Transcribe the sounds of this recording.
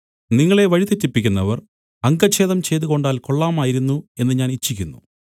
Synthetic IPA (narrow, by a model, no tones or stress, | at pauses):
niŋːɐɭe̞ʋɐɻit̪etːipːikʲːunːɐʋɐr | ɐŋɡɐt͡ɕːe̞ːðɐmt͡ɕe̞jt̪uɣo̞ɳɖaːlko̞ɭːaːmaːjiɾunːue̞nːɨɲaːnit͡ɕːikʲːunːṵ